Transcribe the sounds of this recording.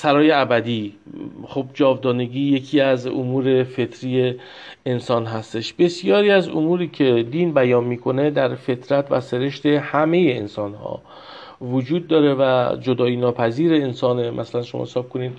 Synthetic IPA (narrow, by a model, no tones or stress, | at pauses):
sæɾɒːjeæbæd̪iː | χobd͡ʒɒːvd̪ɒːneɡiːje̞cʰiːæzo̰muːɾe̞fe̞t̪ʰɾiːjeː | nsɒːnɦæst̪e̞ʃbe̞sijɒːɾiːæzo̰muːɾiːcʰe̞d̪iːnbæjɒːnmiːkʰo̞ne̞d̪æɾfe̞t̪ʰɾæt̪ʰvæ̰se̞ɾe̞ʃt̪e̞hæme̞jeensɒnhɒ̰ː | vod͡ʒuːd̪̚ːɒːɾe̞væd͡ʒod̪ɒːjinɒːpʰæziːɾeːnsɒːnemʔæsælænʃo̰mɒ̰hesɒːb̚kʰo̞niːd̪